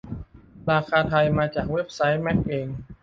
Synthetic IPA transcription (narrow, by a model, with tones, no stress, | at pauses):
ɾaː˧kʰaː˧t̪ʰa˧jmaː˧t͡ɕaː˨˩k̚we˦˥p̚sa˦˥jmɛ˦˥k̚ʔeː˧ŋ